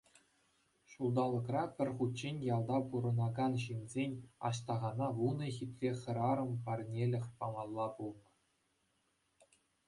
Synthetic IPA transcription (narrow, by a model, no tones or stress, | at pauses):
ʂulˠd̪ɑlˠːɤ̆krɑpʲɘ̆rʲχut̪t͡ɕenʲjɑlˠd̪ɑpuɾɤ̆nɑɡɑnɕinʲzʲenʲɑ̰ɕt̪ɑʁɑnɑʋunɤ̆xʲit̪ʲrʲeχʲɤ̆ɾɑɾɤ̆mpɑrnʲelʲɘ̆xʲpɑmɑlˠːɑpulˠnɤ̆